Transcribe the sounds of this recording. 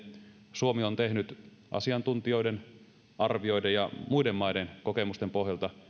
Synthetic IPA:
suomiont̪ehnyt̪ | ʔɑ̰siɑnt̪unt̪io̞iden | ʔɑrʋio̞idejɑmuidemːɑidenkokemust̪empo̞ɦjɑlt̪ɑ

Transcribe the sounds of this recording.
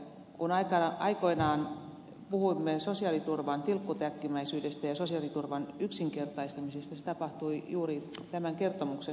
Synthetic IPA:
kunɑikɑʔɑikoinɑːn | puhuimːesosiɑlit̪urʋɑnt̪ilkːut̪æk̪kimæisyːdest̪æjɑsosiɑlit̪urʋɑnyksiŋkert̪ɑist̪ɑmisest̪æset̪ɑpɑht̪uijuːrit̪æmæŋkert̪omukse

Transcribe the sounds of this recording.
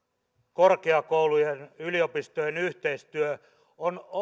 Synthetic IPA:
korkeɑkoulujenyliopist̪ojenyht̪eist̪yø | on

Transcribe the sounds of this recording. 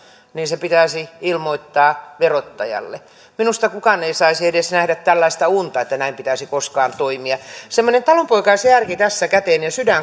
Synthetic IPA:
niːnsepit̪æˑsiilmoit̪ːɑːʋerot̪ːɑjɑ̰lːe | minust̪ɑkukɑneisɑisiedesnæhdæt̪t̪ːælːæist̪ɑunt̪ɑet̪ːænæimpit̪æsikoskɑːnt̪oimiɑsemːonent̪ɑlompoikɑisjærkit̪æsːækæt̪eːˑnjɑsydæŋ

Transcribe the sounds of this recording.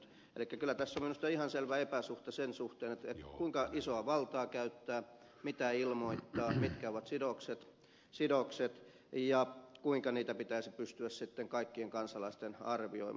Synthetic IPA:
ḛlikːækylːˑæt̪æsːominust̪ɑihɑnselʋæepæsuht̪ɑsensuht̪eːnet̪et̪kuiŋkɑʔisoɑʋɑlt̪ɑːkæyt̪ːæː | mit̪æilmoit̪ːɑːmit̪kæoʋɑt̪sidokset̪ | sidokset̪ | jɑkuiŋkɑniːt̪æpit̪æisipyst̪yæssit̪ːeŋkɑikːieŋkɑnsɑlɑist̪enɑrʋio̰i

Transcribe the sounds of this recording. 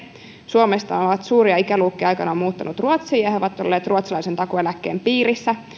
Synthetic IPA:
suomest̪ɑnoʋɑt̪suːɾiɑikæluːkːiɑjkɑnɑmuːt̪ːɑnut̪ruot̪siːjɑhoʋɑt̪ːo̞̰lːeːt̪rʔuot̪sɑlɑisent̪ɑkuelækːe̞̰ːmpiːɾisːæ

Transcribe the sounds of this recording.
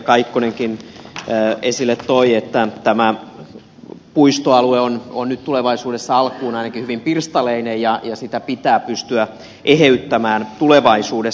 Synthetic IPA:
kɑikːoneŋkinː | esilːet̪t̪oiet̪ːæt̪æmæ | puist̪oɑlueononnytt̪uleʋɑisuːdesːɑɑlkuːnɑinɑkihyʋimpirst̪ɑleinejjɑjɑsit̪æpit̪æːpyst̪yæ | ʔeheyt̪ːæmæːnt̪uleʋɑisuːde

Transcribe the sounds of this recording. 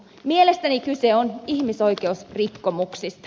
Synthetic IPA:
mielest̪ænikyseonihmiso̞ikeusrikːomuksist̪

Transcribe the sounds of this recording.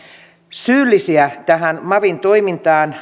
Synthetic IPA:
syːlːisiæt̪æɦænmɑʋint̪oimint̪ɑːn

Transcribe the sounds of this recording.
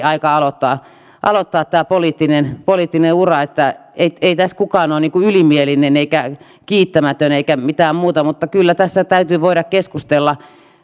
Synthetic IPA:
ɑikɑɑlot̪ːɑː | ʔɑ̰lot̪ːɑːt̪t̪æːpoliːt̪ːinenpoliˑːt̪ːineurɑet̪ːæeieit̪æskukɑːnoːniːŋkuylimielineneikæ | kiːt̪ːæmæt̪øneikæmit̪æːmmuːt̪ɑmut̪ːɑkylːæt̪æsːæt̪æyt̪yːʋoiɾɑkkeskust̪elːɑ

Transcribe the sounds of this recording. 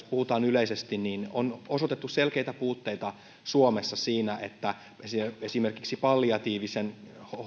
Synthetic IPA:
puhut̪ɑːnyleisest̪inniːno̰nosot̪et̪ːusselkeit̪æpuːt̪ːeit̪ɑ | suomesːɑsiːnæʔet̪ːæ | esiesimerkiksipɑlːiɑt̪iːʋisenh

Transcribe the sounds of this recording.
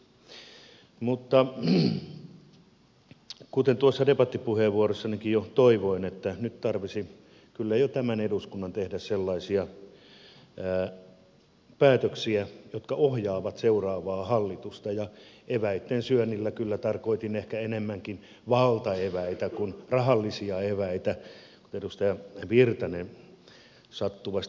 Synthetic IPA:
mut̪ːɑ | kut̪ent̪uosːɑdepɑt̪ːipuheʋʋuorosːɑnikijjot̪oiʋoinet̪ːænyt̪t̪ɑrʋisi | kylːæjot̪æmæneduskunːɑnt̪ehdæsselːɑisiɑ | pæːt̪øksiæjot̪kɑohjɑːʋɑt̪seurɑːʋɑːhɑlːit̪ust̪ɑjɑeʋæit̪ːensyønːilːækylːæt̪ɑrkoit̪inehkæenemːæŋkin | ʋɑlt̪ɑeʋæit̪ækunrɑhɑlːisiɑeʋæit̪æ | kut̪edust̪ɑjɑʋirt̪ɑnen | sɑt̪ːuʋɑst̪

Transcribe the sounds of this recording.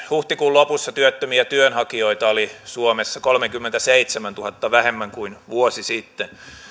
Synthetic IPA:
huht̪ikuːlopusːɑt̪yøt̪ːømiæt̪yønhɑkioit̪ɑolisuomesːɑkolmekymːent̪æseit̪semænt̪uhɑt̪ːɑʋæhemːæŋkuinʋuosisit̪ːen

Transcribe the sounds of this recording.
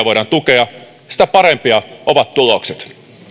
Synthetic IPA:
ʋoiɾɑnt̪ukeɑ | si̥t̪æpɑɾempiɑʔoʋɑt̪t̪ulokset̪

